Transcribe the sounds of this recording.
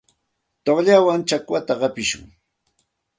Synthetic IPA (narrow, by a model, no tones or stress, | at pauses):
t̪oχʎawaŋt͡ʃakwat̪aɢɑpɪʃʊ̰ŋ